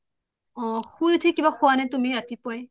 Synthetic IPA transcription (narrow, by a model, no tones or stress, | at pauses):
ɔ̃xujtʰikibaxʊanɛtumiatipɔjɛ